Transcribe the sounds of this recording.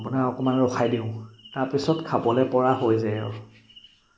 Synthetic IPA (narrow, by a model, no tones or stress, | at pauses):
punaɹɔkɔmanɹɔxʰajdiʊ̃taɹpisɔtkʰabɔlɛpɔɹaɦojzaɔ̰